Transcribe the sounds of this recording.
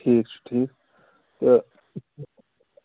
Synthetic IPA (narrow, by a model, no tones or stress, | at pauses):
iːk̚t͡ʃʰu̥ʈʰiːk | t̪ɐ